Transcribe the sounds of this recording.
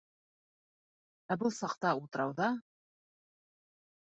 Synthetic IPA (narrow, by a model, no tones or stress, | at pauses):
æbulˠsɑqt̪ɑut̪ɤ̆ɾɑwðɑ